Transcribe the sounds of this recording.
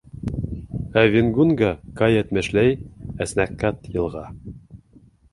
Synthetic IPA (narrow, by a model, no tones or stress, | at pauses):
ævʲenɡunɡɑkɑjæt̪mæ̆ʃlæjæsnækːɑt̪jɤ̆lˠʁɑ